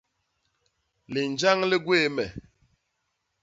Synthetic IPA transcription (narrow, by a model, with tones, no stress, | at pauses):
le˨n˨d͡ʒa˦ŋle˦ɡwe˦˨mɛ˨